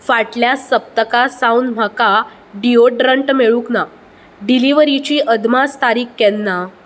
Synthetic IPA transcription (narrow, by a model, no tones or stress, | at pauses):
faʈljasːəp̚t̪əkasawndm̤aka | ɖioɖɾəɳʈmeɭũkna | ɖiliʋəɾit͡ɕiːʔəd̪mast̪aɾiːkːɛnːa